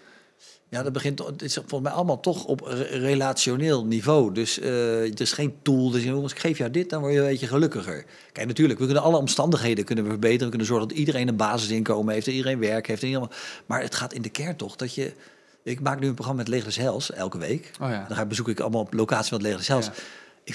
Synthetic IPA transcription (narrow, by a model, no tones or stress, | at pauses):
jaːdɑd̚bəχɪntsfɔlˠəsmɛjʔɑləmaːlˠtɔχɔ̰prelatsoneːlˠnivowdɵsədərɪsχejntulˠdəɪsɛɑnsɪkχejfjawdɪt̚dɑnʋɔɹjənbejəχəlɵkəχə̰ɹ | kɛjknatyːɹləkʋəkɵnənɑlˠəɔmstɑndəχɦejdənkɵnənʋəvəɹbejtərənʋəkɵnənzɔɹχəndɑtidərejnənbaːzɪsɪnkowməɦeftidərejnʋɛɹkɦejftənidmamaːɹətχaːtɪndəkɛɹntɔχd̥ɑtjə | ɪkmaːknyənproχrɑmaːmɛtleχdəsɦɛlˠsɛ̰lˠkəʋḛjkdabəzukɪkɑ̰ləmaːlˠplowkaːtsifɔntleχdəsɦɛlˠsɪk